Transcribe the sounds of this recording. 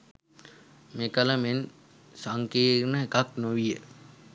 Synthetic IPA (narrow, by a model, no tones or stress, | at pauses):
mekələmen | saŋkeːɾnəekaknoʋijə